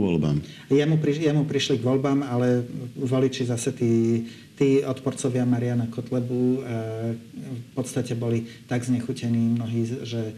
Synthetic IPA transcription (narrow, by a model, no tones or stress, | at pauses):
ʋɔ̰lba̰m | jɛmupɾijɛmupɾiʃliɡʋɔlbaːmalɛʋɔlit͡ʃizasɛt̪iː | t̪iːɔt̪pɔɾt͡sɔʋɪamaɾianakɔt̪lɛbuː | pɔt̪st̪acɛbɔlit̪aɡzɲɛxucɛniːmnɔɦiːʒɛ